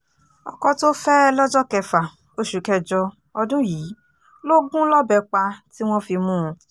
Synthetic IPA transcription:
ɔ̰˧˨kɔ˧to˦fɛ˦lɔ˦d͡ʒɔ˦kɛ˧fa˨ | o˧ʃu˨˦kɛ˧d͡ʒɔ˧ | ɔ˧dũ˦jiː˨˦ | lo˦ɡũ˦lɔ˦bɛ˧k͡pa˧ti˦w̃ɔ̃˦fi˧mũ˦˧

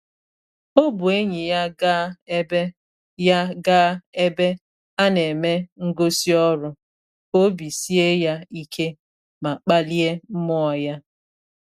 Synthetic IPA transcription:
o˦bʊ˨e˦ɲi˨ja˦ɡa˦be˦ | ja˦ɡa˦e˦be˦ | a˦ne˨me˦ŋ̩˦ɡo˦si˦ɔ˦ɾʊ˨ | o˦bi˨si˦e˦ja˦i˦kʰe˦ | ma˨k͡pa˦li˦e˦m̩˦mɔ˦ɔ˨ja˦

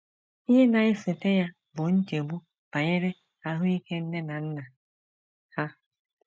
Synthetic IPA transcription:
i˦ɦe˦na˨ɪ˦sɪ˨te˦ja˦ | bʊ˨n̩˦t͡ʃe˨ɡ͡bu˦ | b̥a˨ɲɪ˦ɾe˦ | ka˨˦ɦʊ˦i˦ke˦n̩˦ne˦na˨n̩˦na˨ | ha˦

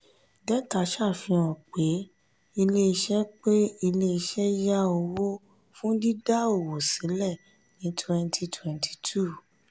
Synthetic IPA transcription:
dɛ˦ta˨˧˦ʃa˦˨fĩ˧ɔ̃˨k͡pe˨˦ | i˧le˦i˧ʃɛ˦k͡pe˦i˧le˦i˧ʃɛ˦ja˦o˧wo˦ | fũ˦di˦da˦o˦˨wo˨sĩ˨˦lɛ˦˨ | nĩ˨˦tʰwɛ̃˧ntʰi˧tʰwɛ̃˧ntʰi̥˧tʰu˦˨

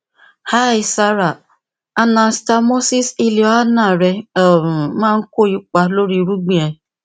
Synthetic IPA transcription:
ha˦˨i˨sa˦ɾa˨ | a˦na˨n̩˦sta˦mo˦si˦si˦li˨ɔ˦a˦na˦˨ɾe˨˦ | mãː˦˨ŋ̩˦ko˦˨i˦k͡pa˦lo˦ɾi˦˨ɾu˦ɡ͡bĩ˦e˨

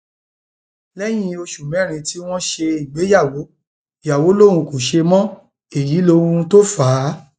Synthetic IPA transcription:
lɛ˦j̃ĩ˦o˧ʃu˨mɛ̃˨˦˨ɾ̃ĩ˧ti˦w̃ɔ̃˦ʃe˧i˨ɡ͡be˨˦ja˦˨wo˨˦ | ja˨wo˨˦lo˦˨ɾũ˧ko˨ʃe˧mɔ̃˦ | e˨ji˨˦lo˦ɾũ˧ũ˧to˦fa˨˦

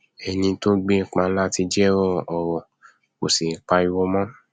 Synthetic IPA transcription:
ɛ˨nĩ˧to˦ɡ͡be˦˨k͡pã˧˦la˦ti˧d͡ʒɛ˦ɾɔ˦˨ɔ˧ɾɔ˧ | ko˨si˨˦k͡pa˧i˧wo˦mɔ̃˦

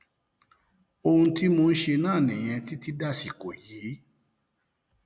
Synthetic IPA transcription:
o˧hũ˧˦ti˦mo˧n̩˦ʃe˧nãː˦˨nĩ˨j̃ɛ̃˧ti˦ti˦da˦˨si˨ko˨jiː˨˦

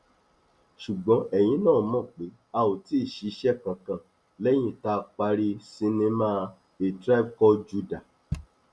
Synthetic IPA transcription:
ʃu˨ɡ͡bɔ̃˧˦ɛ˦˨j̃ĩ˨˦nãː˦˨˦mɔ̃˦˨k͡pe˨˦ | a˧wo˨ti˨˦i˦˨ʃi˧ʃɛ˦˨kã˨kã˨ | lɛ˦j̃ĩ˦˨ta˦˧k͡pa˧ɾi˧sĩ˧˦nĩ˧˦mãː˦˧ | e˨tɾa˦˨b̚kɔ˧d͡ʒu˧da˨

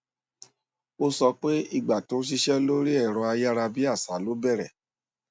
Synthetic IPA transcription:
o˧sɔ˧k͡pe˦i˦˨ɡ͡ba˨to˨˦ʃ̬i˧ʃɛ˦lo˦ɾi˦ɛ˦˨ɾ̃ɔ̃˧a˧ja˦ɾa˧bi˦a˦˨sa˨˦lo˨˦bɛ˦˨ɾɛ̰˨

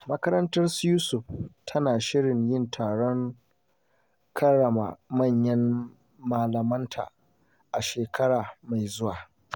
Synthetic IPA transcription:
mɐ˦kɐ˦ɾɐ˦ntɐ˦rsjuː˦sʊ˨ɸ̚tʰɐ˦naː˨ʃɪ˦ɽɪ˨ɲjɪ˦ntʰaː˨ɽɔ˦ŋ | kʰɐ˦ɽɐ˨ma̰˨mɐ˦˨ɲjɐ˦m | maː˨lɐ˨mɐ˦ntʰa̰ː˨ | ʔa˨ʃeː˨kʰɐ˦ɽaː˨ma˨jzʊ˦waː˨

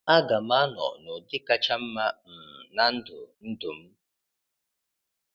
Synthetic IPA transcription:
a˦ɡa˨ma˦nɔ̰̃˨ʔnũ˨di˦ka˧t͡ʃa˦m̩ː˦a˦m̩˨nã˦n̩˦d̪ṵ˨n̩˦d̪u˨m̩˦

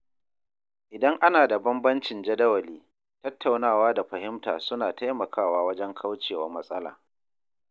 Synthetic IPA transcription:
ʔɪ˨dɐ˦ŋʔa˦naː˨da˨bɐ˦mbɐ˦nt͡ʃɪ˨nd͡ʒɐ˦dɐ˦wɐ˨liː˦ | tɐ˦tʰːa˨wnaː˦˨waː˦da˨ɸɐ˨hɪ˦mta̰ː˨sʊ˦naː˨ta˦jmɐ˨kʰaː˦˨waː˦wɐ˦d͡ʒɛ˦ŋkʰa˦wt͡ʃeː˨wɐ˦rmɐ˦sʼɐ˦la̰ː˨

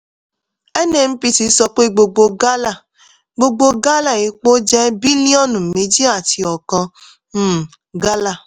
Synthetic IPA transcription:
ɛ˦nɛ˦˨m̩˦pi˧ti˧sɔ˧k͡pe˦ɡ͡bo˧ɡ͡bo˧ɡa˦la˦˨ | ɡ͡bo˧ɡ͡bo˧ɡa˦la˦˨e˨˦k͡po˦d͡ʒɛ˦bi˦nĩ˦ɔ˦nũ˨me˨˦d͡ʒi˦a˨ti˧ɔ˨kã˧˦˨ | ɡa˦la˦˨

